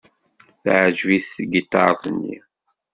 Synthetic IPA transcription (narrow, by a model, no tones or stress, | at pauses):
θʕd͡ʒwiθɡət̪ːɑ̰ɾˤθˤnːḭ